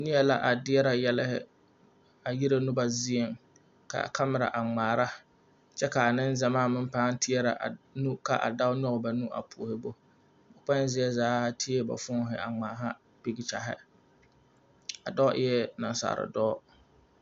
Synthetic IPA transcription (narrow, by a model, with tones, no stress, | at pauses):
nɪ˦ɛ˦la̰˦ʔa˨dɪ˦ɛ˦ɾa˨jɛ˦lɪ˦hɪ̰˦ | a˨ji˦ɾa˦nʊ˦ba˨zi˦e˨ŋ | ka̰˨kʰa˦mɪ˨ɾa̰˨ʔa˨ŋ͡maː˨ɾa˦ | t͡ʃɛ˦ka˨a˨nɪ̃˦nza˨maː˦˨mɪ˦m˦paː˦n˦tʰɪ˦ɛ˦ɾa˨ʔa̰˨nũ˦ka̰˨ʔa̰˨da˦ʊ˦nɔ˦ɣba˨nũ˦ʔa̰˨pʰu˨hɪ˦bo˦ | ba˨k͡pɛ˦n˦zɪ˦ɛ˦zaː˦tʰi˦e˦ba̰˨fʊ˦ɦɪ̰˨a̰˨ŋ͡maː˨ɦa˦ | bi˨ɡɪ˨t͡ʃa˨ɦɪ̰˦ | a̰˨dɔ˦ʔɪ˦jɛ˦na̰˨n˨sa̰ː˨ɾɪ̰˨dɔː˦